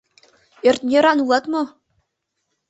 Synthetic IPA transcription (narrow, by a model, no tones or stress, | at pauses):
erʲt̪ʲnʲeɾɑnuɑt̪mɤ̆